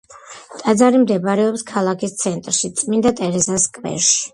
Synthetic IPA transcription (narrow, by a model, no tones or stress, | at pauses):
t̪ʼad̪zaɾimd̪ɛbaɾɛɔpskʰalˠakʰist̪sʰɛnt̪ʼɾʃit̪sʼmind̪at̪ʼɛɾɛzaskʼvɛ̰ɾʃi̥